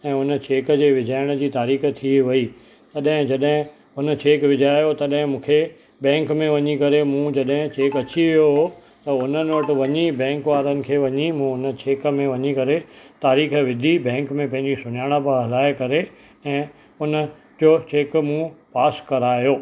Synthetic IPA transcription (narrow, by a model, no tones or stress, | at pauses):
ɛ̃ːʊnə̆t͡ɕeːkd͡ʑeːʋɪd͡ʑʱaːɪɽ̃ə̆d͡ʑiːt̪aːɾiːx̆t̪ʰiʋɐi | t̪ɐɗɦɪ̃d͡ʑɐɗɦɪ̃ | ʊnə̆t͡ɕeːkʋɪd͡ʑaːjot̪ɐɗɦɪ̃mũːkʰe | ɓɛ̃ːŋkmẽʋɐɲikɐɾemũd͡ʑɐɗɦɪ̃t͡ɕeːkɐt͡ɕiʋijoɦoː | t̪ɐʊnənəʈɪ̆ʋɐɲibɛ̃ːŋkʋaːɾənɪ̆kʰeːʋɐɲimũʊnət͡ɕeːkmẽʋɐɲikɐɾet̪aːɾiːxʋɪd̪ʱibɛ̃ːŋkmẽpɐ̃ɦɪ̃ɲd͡ʑisʊɲaːɽ̃əpə̃ɦɐlaːekɐɾe | ɛ̃ː | ʊnə̆ | d͡ʑoːt͡ɕeːkmũpaːskɐɾaːjoː